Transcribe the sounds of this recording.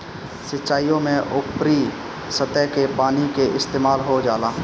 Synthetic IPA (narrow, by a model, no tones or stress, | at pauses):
sɪtːʃaːijõmẽʔʊpɾi | sət̪əkepaːnikeʔɪst̪eːmaːlɦod͡ʒaːlaː